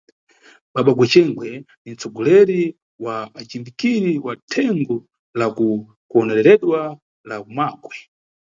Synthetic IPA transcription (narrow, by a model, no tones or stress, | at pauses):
ɓaɓaɡwɛt͡ʃɛŋɡwɛnin̩t͡sɔɡɔlɛɾi | waːt͡ʃimbikiɾiwatʰɛŋɡɔ | laku | kuɔnɛɾɛɾɛɗwa | lakumaːɡwɛ